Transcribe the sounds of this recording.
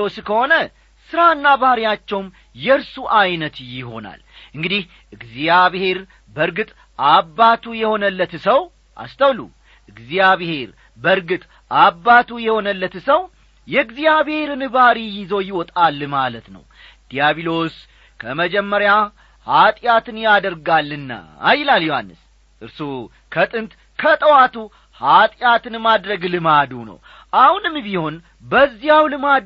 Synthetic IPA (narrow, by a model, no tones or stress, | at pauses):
oskʰəho̞nə | sɨɾaɨnːabahɾijat͡ʃːɛwm | jɛɨɾsuʔajnət̪jɪɦo̞̰na̰lʔɨŋɡɨd̪ih | ɨɡzijaβhe̞ɾ | bəɾɡɨt̪ʼ | abːat̪ʰujɛho̞nəlːət̪səw | ʔa̰st̪ʰəwlṵ | ʔɨɡzijaβhe̞ɾ | bəɾɡɨt̪ʼ | abːat̪ʰujɛho̞nəlːət̪səw | jɛɨɡzijaβhe̞ɾɨnɨbaɾijɪzo̞jɪwɔt̪ʼalːmalət̪nə̰w | ɡjaβilo̞s | kʰəməd͡ʒɛmːəɾja | hat̪ʼjat̪ɨnjad̪əɾɡalːɨnːa̰ːjɪlaljoha̰nːɨs | ʔɨɾsu | kʰət̪ʼɨnt̪ | kʰət̪ʼəwat̪u | hat̪ʼjat̪ɨnmad̪ɾəɡlɨmad̪unə̰w | ʔahunɨmːbiho̞n | bəzːijawlɨma